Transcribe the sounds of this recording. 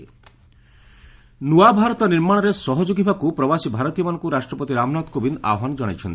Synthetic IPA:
nuabʱaɾɔt̪ɔniɾmaɽ̃ɔɾesɔɦɔd͡ʒoɡibʱakupɾɔbasibʱaɾɔt̪ijɔmanɔ̃ŋkuɾaʃʈɾɔpɔt̪iɾamɔnat̪kobina̰ɔɦanɔd͡ʒɔɽ̃ajt͡ʃʰɔnt̪

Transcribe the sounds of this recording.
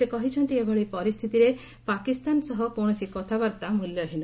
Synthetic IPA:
sekɔɦit͡ʃʰɔnt̪iebʱɔɭipɔɾist̪ʰit̪iɾe | pakist̪ansɔɦɔkoɽ̃ɔsikɔt̪ʰabaɾt̪amuljɔɦinu

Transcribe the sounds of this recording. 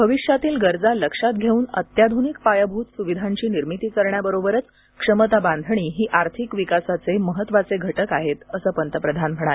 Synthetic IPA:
bʱəʋiɕjat̪iːlɡəɾd͡zaləkʂat̪̚ɡʱeuːnət̪jad̪ʱunik̚pajəbʱuːt̪suʋid̪ʱaɲt͡ɕiːniɾmit̪iːkəɾɳjabəɾobəɾət͡s | kʂəmət̪abãnd̪ʱəɳ̃iːɦiːʔaɾt̪ʰikʋikasat͡seməɦət̪ːʋat͡seɡʱəʈəkaɦet̪əsəːpənt̪əpɾəd̪ʱanm̤əɽ̃al

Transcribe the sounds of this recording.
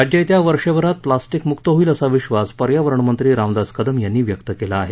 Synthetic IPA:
ɾad͡ʑjəjt̪jaʋəɾʂeʋəɾat̪̚plasʈikmukt̪əɦoiːləsaʋiɕʋaspəɾjaʋəɾəɳəmənt̪ɾiːɾamd̪ad͡zkəd̪əmjanːiːʋjəkt̪əkelaːɦe

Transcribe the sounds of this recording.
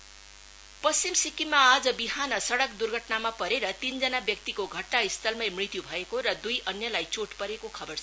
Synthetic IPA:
pʌst͡simsikimːaːd͡zʌbiɦanʌsʌɽʌkd̪urɡʱʌʈnamapʌɾeɾʌt̪ind͡zʌnabjʌk̚t̪ikoɡʱʌʈnaist̪ʰʌlmʌjmrit̪jubʱʌekoɾʌd̪ujʔʌnjʌlajt͡soʈpʌɾekokʰʌbʌrt͡sʰ

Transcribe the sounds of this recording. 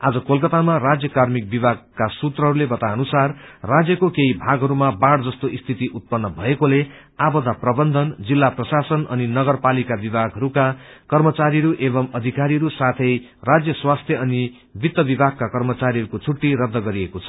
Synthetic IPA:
ad͡zʌkolkʌt̪amarad͡zjʌkarmik̚bibʱaɡ̚kasut̪rʌɦʌɾulebʌt̪aʌnusarːad͡zjʌkokeibʱaɡɦʌɾumabaɽd͡zʌst̪oist̪ʰit̪iʔut̪̚pʌnːʌbʱʌekole | abʌd̪aprʌbʌnd̪ʱʌnd͡zilːaprʌsasʌnʔʌ̰ninʌɡʌrpalikabibʱaɡʱʌɾukakʌrmʌt͡saɾiʌɾuʔeβʌmʌd̪ʱikaɾiʌɾusat̪ʰʌj | rad͡zjʌswast̪ʰjʌʌni | bit̪ːʌbibʱaɡ̚kakʌrmʌt͡saɾiɦʌɾukot͡sʰuʈːiɾʌd̪ʱːʌɡʌɾiekot͡sʰʌ̥

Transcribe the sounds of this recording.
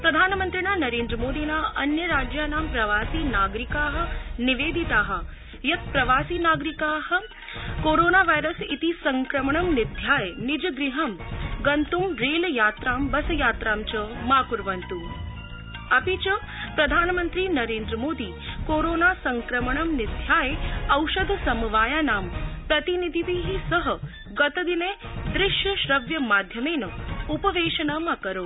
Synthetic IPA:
pɾɐd̪ʱaːnmɐnt̪ɾinaːnɐɾeːnd̪ɾəmoːd̪iːnaːɐnjɐɾaːd͡ʒjaːnaːmpɾɐʋaːsiːnaːɡɾikaːɦɐ̆niʋeːd̪ʱit̪aːɦɐ̆ | jɐt̪̚pɾɐʋaːsiːnaːɡɾikaːɦɐ̆ | koːɾoːnaːʋajɾɐsit̪isɐŋkɾɐməɳɐmnid̪ʱjaːjnid͡ʒɐɡɾiɦɐmɡɐnt̪umɾeːljaːt̪ɾaːmbɐsɐjaːt̪ɾaːmt͡ʃɐmaːkuɾʋɐnt̪um | ɐpit͡ʃɐ | pɾɐd̪ʱaːnmənt̪ɾiːnɐɾeːnd̪ɾəmoːd̪iːkoːɾoːnaːsɐŋkɾɐməɳɐmnɪd̪ʱjaːjeɐwʃɐd̪ʱsɐmuʋaːjaːnaːmpɾɐt̪inid̪ʱiʋiɦisɐɦɐ̆ | ɡɐt̪ɐd̪ineː | d̪ɾɪʃjɐʃɾɐʋjɐmaːd̪ʱjɐmeːnɐupɐʋeːʃɐnɐmɐkɐɾoː

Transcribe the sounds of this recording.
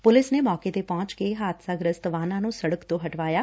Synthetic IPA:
pʊlɪsneːmɔːkeːt̪eːpɔ̃ːt͡ʃkeɦaːt̪saːɡɾəst̪ʋaːnãːnũːsəɽəkt̪õːɦəʈʋaːjaː

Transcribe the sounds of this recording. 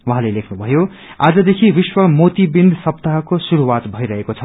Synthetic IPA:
wãɦãlejlekʰnubʱʌjo | ad͡zʌd̪ekʰibiswʌmot̪ibind̪ʱsʌpt̪aɦkosuɾuwat̪bʱʌiɾʌɦekot͡sʰʌ

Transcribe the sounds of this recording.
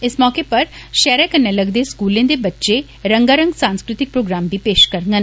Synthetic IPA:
ɪsmɔːkepɐɾʃɛːɾekəɾneləɡd̪eskuːlẽːd̪ebɐtːʃe | ɾə̃ŋɡaːɾə̃ŋɡsãːnskɾɪt̪ɪk̚pɾoːɡɾaːmd̪ipeːʃkəɾŋɡən

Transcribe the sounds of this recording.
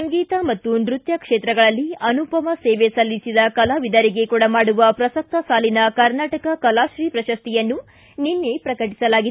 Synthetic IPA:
sɐŋɡiːt̪ɐmɐt̪ːunɾut̪jɐkʂeːt̪ɾɐɡɐɭɐlːiɐnupɐmɐseːʋesɐlːisid̪ɐkɐlaʋid̪ɐɾiɡe̞kuːɽɐmaːɽuʋɐpɾɐsɐk̚t̪ɐsaːlinɐkɐɾnaːʈɐkɐkɐlaːʃɾiːpɾɐʃɐst̪ijɐnːu | ninːe̞pɾɐkɐʈ̬i̥sɐlaːɡid̪

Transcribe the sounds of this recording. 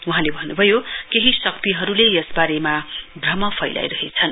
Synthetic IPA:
uɦãlebʱʌnːubʱʌjokeɦisʌk̚t̪iɦʌɾulejesbaɾemabrʌmʌpʰʌjla̰jɾʌɦet͡sʰʌn

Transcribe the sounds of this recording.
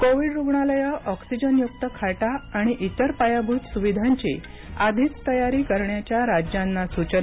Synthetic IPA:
koʋiɖɾuɡɳaləjəʔɔksid͡ʑənjuk̚t̪əkʰaʈaːɽ̃iʔit̪əɾpajabʱut̪suʋid̪ʱãɲt͡ɕḛ | ad̪ʱit͡st̪əjaɾiːkəɾɳjat͡ɕjaɾad͡ʑjãnːasut͡ɕə

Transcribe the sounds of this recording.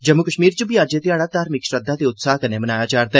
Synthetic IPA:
d͡ʒəmːʊkəʃmiːɾt͡ʃəbiːaːd͡ʒeːt̪ɪjaːɽaːt̪aːɾmɪkʃɾəd̪ːãːd̪eːʊt̪saːɦkəneːmənaːjaːd͡ʒaːɾd̪a

